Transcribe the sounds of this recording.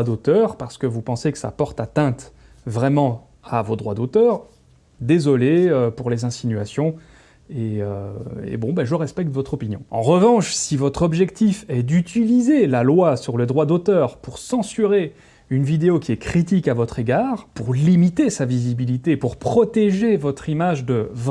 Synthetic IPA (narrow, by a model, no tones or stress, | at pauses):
d̪ot̪œʁpaʁsə̥kəvupɑ̃sekə̥sa̰pɔʁt̪at̪ɛ̃t̪ | vʁɛmɑ̃ | avod̪ʁwad̪ot̪œːʁ | d̪ezɔleøpuʁlezɛ̃sinɥasjɔ̃ | eøḛbɔ̃baʒəʁɛspɛk̚t̪vɔt̪χɔpinjɔ̰̃ɑ̰̃ʁəvɑ̃ʃsivɔt̪χɔbʒɛkt̪ifɛd̪yt̪ilizelalwasyʁləd̪ʁwad̪ot̪œʁpuʁsɑ̃syʁe | ynvid̪eokʲiɛkχit̪ikavɔt̪χeɡaːʁpuʁlimit̪esavizibilit̪epuʁpχɔt̪eʒevɔt̪χimaʒd̪əv